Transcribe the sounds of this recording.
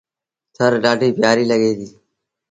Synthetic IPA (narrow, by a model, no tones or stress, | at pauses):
t̪ʰəɾɖaːɖʱiːbʱjaːɾiːləɠeːd̪iː